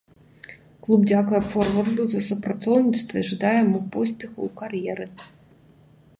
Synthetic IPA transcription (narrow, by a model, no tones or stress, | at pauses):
klˠubd͡zʲakujɛfɔrvɐrd̪uzɐsupɾat̪sɔwnʲit̪st̪vɐiʐɨd̪ajɛmupɔsʲpʲɛxɐ̰wkarjɛɾɨ